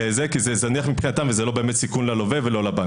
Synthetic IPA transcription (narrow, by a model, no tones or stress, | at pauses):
ezekizezaniaχmipχinat̪amvezelo̞beemet̪sikunlalovevelo̞laba